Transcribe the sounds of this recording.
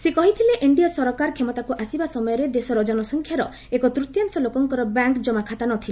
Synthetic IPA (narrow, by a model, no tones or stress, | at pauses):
sekɔɦit̪ʰileʔiɳɖijasɔɾɔkaɾkʰemɔt̪akuʔasibasɔmɔjɔɾed̪esɔɾɔd͡ʒɔnɔsɔŋkʰjaɾɔ | ekɔt̪ɾut̪jaŋsɔlokɔŋkɔɾɔbaŋkd͡ʒɔmakʰat̪anɔt̪ʰile